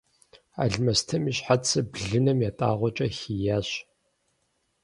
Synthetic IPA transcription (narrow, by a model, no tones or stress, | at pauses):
a̰ːɮmɐstʰɐmiːɕħat͡sʰɨbɮɨnɐmjaːtʼaːʁʷɔt͡ʃʼɐxiːjaːɕ